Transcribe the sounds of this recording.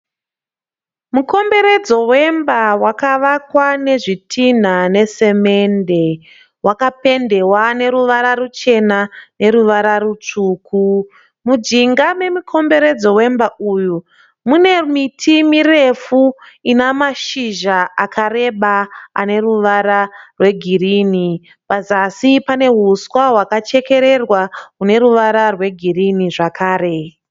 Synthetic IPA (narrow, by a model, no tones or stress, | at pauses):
muko̞mbe̞ɾe̞d͡zo̞we̞mbawakaʋakwane̞ʐitʰin̤ane̞se̞me̞nde̞ | wakape̞nde̞wane̞ɾuʋaɾarut͡ʃe̞nane̞ɾuʋaɾarut͡ʂuːku | mud͡ʒiŋɡame̞mikʰo̞mbe̞ɾe̞d͡zo̞we̞mbaʔuːju | mune̞mitʰimire̞fuinamaʃiʒaakʰare̞ɓaa̰ne̞ruʋaɾarwe̞ɡʱiriːni | pazasipane̞ɦuswaɦwakat͡ʃe̞ke̞ɾe̞rwaɦune̞ɾuʋaɾarwe̞ɡʱiriniʐakʰaːɾe̞